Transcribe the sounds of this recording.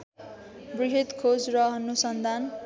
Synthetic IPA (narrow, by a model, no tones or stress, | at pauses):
briɦit̪kʰod͡zrʌɦʌnusʌnd̪ʱan